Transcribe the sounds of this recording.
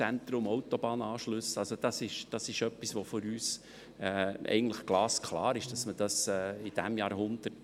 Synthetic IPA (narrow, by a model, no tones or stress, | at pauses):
ænt̪ɾʊmɔʊt̪ob̥ɑːnɑːʃlʏsɑlsod̥ɑsɪʃd̥ɑsɪʃœpːisʋofʊɾyːs | ɛʔɛ̰ɪɡən̩t̪ləχɡ̥lɑːskʰlɑ̰ːɾɪʃd̥ɑsməd̥ɑsɛːɪd̥æmjɑːɾhʊnd̥̪ə